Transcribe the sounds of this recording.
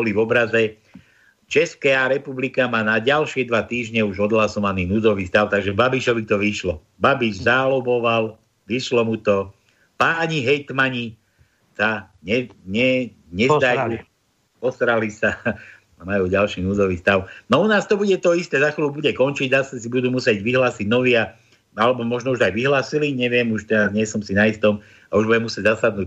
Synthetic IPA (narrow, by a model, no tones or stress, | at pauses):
bɔlivɔbɾazɛ | t͡ʃɛskaaɾɛpublikamaːnaɟalʃɪɛd̪ʋat̪iːʒɲɛuʒɔd̪lasɔmaniːnud͡zɔʋiːst̪aʊt̪aɡʒɛbabiʃɔʋit̪ɔʋiʃlɔ | babiʒzalɔbɔʋal | ʋiʃlɔmut̪ɔ | paɲiɦɛjt̪maɲi | sa | ɲɛɲɛ | ɲɛzd̪ajuː | pɔsɾalisa | amajuːɟalʃiːnuːzɔʋiːst̪aʊnɔunaːst̪ɔbuɟɛt̪ɔist̪ɛːzaxʋilubuɟɛkɔnt͡ʃiɟzasasibud̪uːmusjɛɟʋiɦlaːsiɟnɔʋɪa | alɛbɔmɔʒnɔuʒt̪ajʋiɦlaːsiliɲɛʋɪɛmuʃt̪ɛɾazɲɪɛsɔmsinaist̪ɔm | auʒbuɟɛmusjɛɟzasad̪nuː